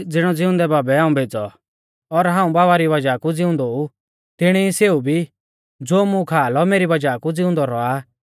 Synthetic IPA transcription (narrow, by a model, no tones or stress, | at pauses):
d͡zɪɽ̃ɔd͡zɪʊ̃nd̪ɛbaːbɛaːũbʱeːd͡zɔ | ɔɾɦãːũbaːβaɾiʋɐd͡ʒakud͡zɪʊ̃nd̪ɔu | t̪ɪɽ̃iiseːubʱi | d͡zoːmũkʰaːlɔmeːɾibɐd͡ʒakud͡zɪʊ̃nd̪ɔɾɔa